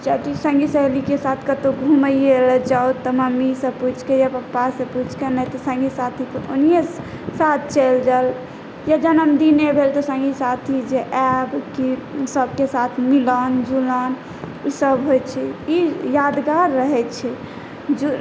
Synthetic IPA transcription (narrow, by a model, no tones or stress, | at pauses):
d͡ʒat̪isə̃ŋɡisəɦlikesat̪ʰkət̪oɡʱuməjeləd͡ʒaot̪ːɔməmːisə̃put͡ʃʰkejapəpːasə̃put͡ʃʰkenɛt̪ɔsə̃ŋɡisat̪ʰikeʔo̰nije | sat̪̚ʰt͡ʃəld͡ʒəl | jad͡ʒənəmd̪inebʱelt̪ɔsə̃ŋɡisat̪ʰid͡ʒeʔɛbkisəbkesat̪ʰmilɔnd͡ʒulɔn | isəbɦojt͡ʃʰɛijad̪ɡaɾːəɦɛt͡ʃʰɛ | d͡ʒu